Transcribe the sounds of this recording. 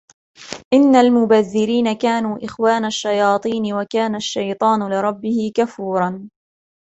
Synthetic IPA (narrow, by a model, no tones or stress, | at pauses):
ʔɪnːalmʊbaðːɪɾiːnakaːnuːʔɪxwaːnaʃːajɑːt̪ˤiːnɪwakaːnaʃːajt̪ˤɑːnʊlɪɾˤɑbːɪhɪkafuːɾˤɑn